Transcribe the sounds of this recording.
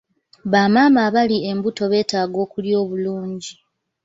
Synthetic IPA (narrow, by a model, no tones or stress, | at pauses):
βaːmaːmaβalie̞mbuto̞βe̞ːtaːɡo̞ːkuljo̞ːβuluːɲɟi